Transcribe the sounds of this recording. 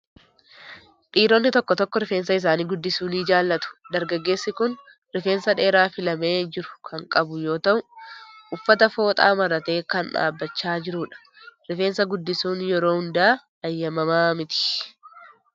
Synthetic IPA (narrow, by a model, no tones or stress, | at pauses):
ᶑiːɾonːɪt̪ɔkːɔt̪ɔkːɔɾɪfeːnsɐɪs̬aːniːɡʊd̪ːɪsuːniːd͡ʒaːlːɐt̪ʊ̥d̪ɐɾɡɐɡːe̞ːsːɪkʊn | ɾɪfeːnsɐᶑe̞ːɾaːfɪlɐme̞ːd͡ʒɪɾʊ̥kʰɐŋkʼɐbʊjo̞ːt̪ɐʔʊʔʊfːɐt̪ɐfo̞ːt̪ʼa̰ːmɐɾɐt̪e̞ːkɐnᶑa̰ːbːɐt͡ʃːaːd͡ʒɪɾuːᶑɐ̥ | ɾɪfe̞ːnsɐɡʊd̪ːɪsuːnjɛɾo̞ːhʊnd̪aː | ɐjːɐmɐmaːmɪt̪ɪ̥